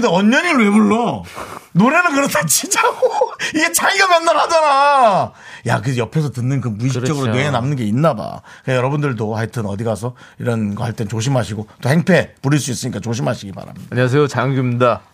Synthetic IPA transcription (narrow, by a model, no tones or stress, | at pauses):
deʌɲːʌɲiɭwe̞buɭːʌ | noɾe̞nɯnkɯɾʌtʰat͡ɕid͡ʑaɡoiɡe̞t͡ɕaiɡamjʌnːaɭhadʌɾa | ja̰kɯjʌpʰe̞sʰʌtɯnːɯnkɯnpuiɕiit͡ɕʌɡɯɾonwe̞enamnɯnɡe̞inːaba̰ɯkajʌɾʌbundɯɭdohaɭtʰɯnʌdiɡasʰʌiɾʌnɡʌhaɭt͈ent͡ɕoɕ̬ʰimɦaɕʰiɡot͈ohe̞ŋpʰe̞puɾiɭs͈uis͈ɯɲik͈at͡ɕoɕ̬ʰimaɕʰiɡiba̰ɾa̰mɲidaaɲiwasʰejot͡ɕaŋɡumida